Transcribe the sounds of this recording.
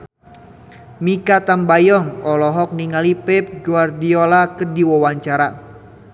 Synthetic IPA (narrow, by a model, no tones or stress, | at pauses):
mikat̪ambajɔŋɔlɔɦɔk̚niŋalipɛp̚ɡuardiɔlakərdiwɔwaɲt͡ʃaɾa